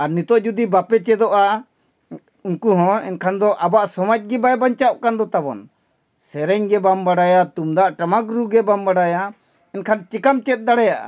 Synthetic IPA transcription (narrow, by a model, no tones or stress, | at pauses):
aɾnit̪ɔʔd͡ʒud̪ibapɛt͡ʃɛd̪ɔʔa | unkuɦɔ̃ɛ̰nkʰand̪ɔʔabaʔsɔmad͡ʒ̚ɡɛbajbaɲt͡ʃaʔkand̪ɔt̪abɔ̰n | sɛɾɛɲɡɛbambaɽajat̪umd̪aʔʈamakɾuɡɛbambaɽaja | ɛnkʰant͡ʃikamt͡ʃɛt̪̚ˀd̪aɽɛjaʔa̰